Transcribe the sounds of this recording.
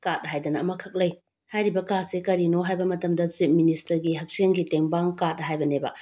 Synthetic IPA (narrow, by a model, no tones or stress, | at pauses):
kat̚ɦajdɐnɐːmɐkʰɐk̚lɐj | hajɾibɐkasekɐɾinoɦajbɐmɐtɐmdɐt͡ʃip̚ministɐɾɡiɦɐk̚seŋɡiteŋbaŋkat̚ːɦajbɐnebɐ̰